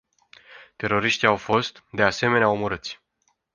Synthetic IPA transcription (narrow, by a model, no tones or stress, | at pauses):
t̪e̞ɾo̞ɾiʃt̪iawfo̞st̪d̪e̞ase̞me̞neaomoɾɨt̪sʲ